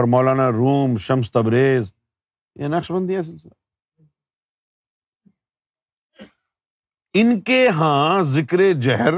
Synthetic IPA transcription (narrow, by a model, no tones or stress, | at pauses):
ɾmɔːlaːnaɾuːmʃɐms̬t̪ɐbɾeːz | jḛ̃nɐkʃbɐ̃nd̪iãs̬ɪls | ɪnkeɦãːzɪkɾed͡ʒɐɦɾ